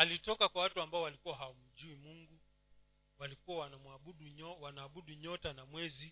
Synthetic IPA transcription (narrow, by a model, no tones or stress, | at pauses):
alitɔkakwawatuambaɔwalikuwaɦawam̩d͡ʒuimuŋɡu | walikuwawanamwauɗuwanaːɓuɗiɲɔtanamwɛzi